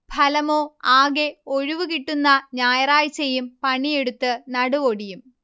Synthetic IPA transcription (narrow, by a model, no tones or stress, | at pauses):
bʱɐlɐmo̞ːaːɡe̞oɻuʋukiʈːunːɐɲaːjɐraːjt͡ɕːejumpɐɳije̞ɽut̪ːɨnɐɽuʋoɽijum